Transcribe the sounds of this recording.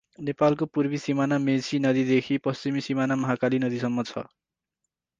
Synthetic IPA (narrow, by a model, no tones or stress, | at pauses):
nepalkopurbisimanamesinʌd̪id̪ekʰipʌst͡simisimanamʌɦakalinʌd̪isʌmːʌt͡sʰʌ̰